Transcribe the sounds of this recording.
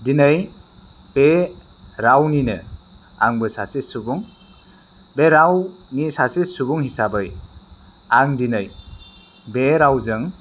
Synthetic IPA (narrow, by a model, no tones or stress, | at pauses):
dinɯj | b̥e | ɾawninɯ | a̰ŋbɯsasissubuŋ | beɾawnisasissubuŋhisabɯj | aŋdinɯj | beɾawzɯŋ